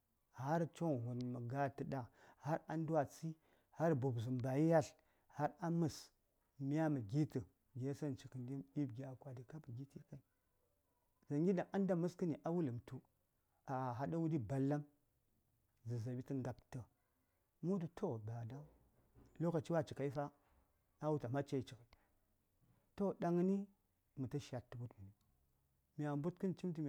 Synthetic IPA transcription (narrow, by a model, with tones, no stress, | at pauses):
ha˦ɾt͡ʃo˦ŋɦu˨nmə˨ɡa˦tə˨da˨ha˦ɾa˦n˦dwa˨t͡si˦ | ha˦ɾbu˨bzu˨mba˨ji˦ja˦ɬ | ha˦ɾa˦mə˨s | mi˦a˦mə˨ɡʲi˦tə˨ | ɡʲe˦sa˦˨nt͡ʃi˨kə˨ndi˦˨i˦b̚ɡʲa˨kʷa˨di˨ka˦bə˨ɡi˦ti˦ka˨i˨ | za˨ŋɡʲi˦da˨ʔa˦nda˦mə˦skə˦ni˨ʔa˦wu˦lə˨mtu˦ | a˨ɦa˨da˦wu˦di˦ba˨lːa˦m | zə˨za˨bi˦tə˦ŋɡa˨ptə˨ | mu˦du˨tʰo˦ba˨da˦u˦ | lo˦ka˨t͡ʃi˦wa˦t͡ʃi˨ka˨i˦fa˦ | a˦wu˦ta˨ma˦t͡ʃe˦i˨t͡ʃi˨ka˨i˨ | to˦ɗa˦ŋ˦ni˦ | mu˨ta˦ʃa˨tːu˨bu˦tmu˨ni˨ | mi˨a˨mbu˦tkɨ˦n˨t͡ʃi˦mt̬i˦mʲ˨